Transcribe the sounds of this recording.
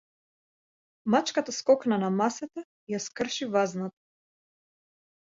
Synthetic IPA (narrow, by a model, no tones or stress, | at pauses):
mat͡ʃkat̪askɔknanamasɛt̪a | ijaskr̩ʃivaznat̪ḁ